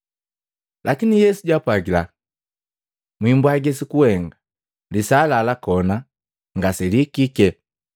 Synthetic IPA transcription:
lakinijɛsuɟwapwaɡila | mwimbwaɡɛsikuhɛŋɡa | lisaːlalakɔna | ŋɡasɛlikikɛ

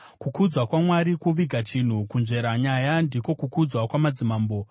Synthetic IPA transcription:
kukud͡zwakwamwaɾikuʋiɡʱat͡ʃin̤ukunʐe̞ɾaɲajandiko̞kukud͡zwakwamad͡zimaːmbo̞

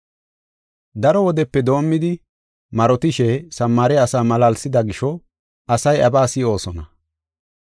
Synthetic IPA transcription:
d̪ɐɾɔwɔd̪ɛpːɛd̪o̞ːmːɪd̪ɪ | mɐɾɔt̪ɪʃɛsɐmːaɾɛɐsaːmɐlɐlsɪd̪ɐɡɪʃɔ | ʔɐsɐjɐbaːsɪo̞ːsɔnɐ

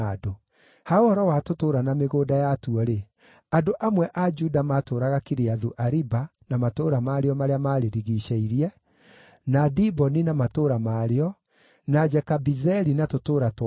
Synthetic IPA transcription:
do | haohɔɾɔwatotoːɾanameɣoːdajatuɔɾe | andoʔamwɛʔad͡ʒudamatoːɾaɣakiɾeaðuʔaɾibanamatoɾamaɾeɔmaɾeamaːɾeɾiɣiɕɛiɾiɛ | nadibɔninamatoɾamaɾeɔ | nad͡ʒɛkabizɛɾinatotoːɾat

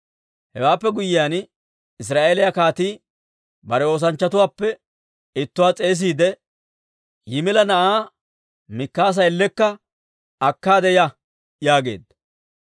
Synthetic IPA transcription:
hɛwaːpːɛɡʊjːɪjaːn | ɪs̬ɾaːʔeːlɪjakaːt̪iː | bɐɾɛo̞ːs̬ɐnt͡ʃːɐt̪ʊwaːpːɛ | ɪt̪ːʊwaːt͡sʼe̞ːs̬iːd̪ɛ | jɪmɪlɐnɐʔaː | mɪkːaːs̬ɐjɛlːɛkːɐ | ɐkːaːd̪ɛjɐ | jaːɡe̞̰ːd̪ːɐ

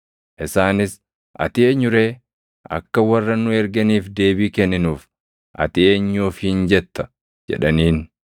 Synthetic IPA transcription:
ʔɪsaːnɪs | ʔɐ̰t̪ɪeːɲːʊɾe̞ː | ʔɐ̰kːɐwɐrːɐnʊɛɾɡɐniːfd̪e̞ːbiːkɛnːɪnuːf | ʔɐ̰t̪ɪeːɲːuːfhɪnd͡ʒɛt̪ːɐ̥ | d͡ʒɛ̰ᶑɐniːn

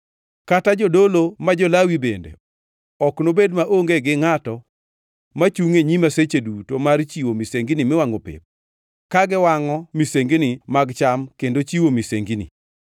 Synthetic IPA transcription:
katad͡ʒɔdolomad͡ʒɔlawibendḛ | ɔknobedmaʔoŋɡeɡɪŋatɔ | mat͡ʃuŋeɲimaset͡ʃedutomart͡ʃiwomiseŋɡinimɪwaŋopḛp̚ | kaɡɪwaŋɔmiseŋɡinimaɡt͡ʃamkendot͡ʃiwomiseŋɡinḭ

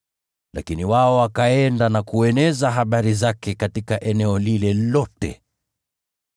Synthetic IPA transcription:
lʔa̰kiniwaɔwakaɛndanakuɛnɛzaɦaɓaɾizakɛkatikaʔɛnɛɔlilɛlɔtɛ̰

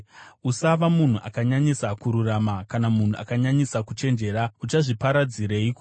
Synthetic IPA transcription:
usaʋamun̤uʔakaɲaɲisakuɾuramakanamun̤uʔa̰kaɲaɲisakut͡ʃe̞nd͡ʒe̞ːɾaut͡ʃaʐipaɾad͡ziɾeiku

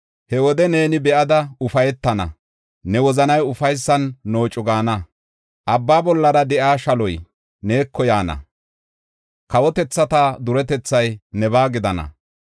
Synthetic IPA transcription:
hɛwɔd̪ɛne̞ːnɪbɛʔɐd̪ɐʊfɐjɛt̪ːɐnɐ̰ | nɛwɔzɐnɐjʊfɐjsːɐnːo̞ːt͡ʃʼːʊɡaːnɐ | ʔɐbːaːbɔlːɐɾɐd̪ɛʔaːʃɐlɔj | ne̞ːkʰːɔjaːnɐ̰ | kɐwɔt̪ɛt͡sːɐt̪aːd̪ʊɾɛt̪ɛt͡sːɐjnɛbaːɡɪd̪ɐnɐ̰

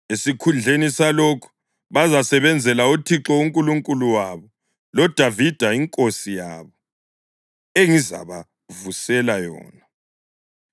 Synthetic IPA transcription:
esikʰund͡ɮʱenisalokʰu̥ | βazasɛβɛnd͡zʱɛlautʰiǁɔuŋkʼuluŋkʼuluwaβɔ | lɔd̥ʱavid̥ʱaiŋkʼosija̰ːβɔ | eŋiza̰βa | vusɛlajɔ̰ːna

